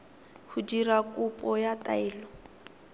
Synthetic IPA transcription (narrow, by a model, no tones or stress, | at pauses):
hudiɾakʼupʼɔjatʼaɛːlɔ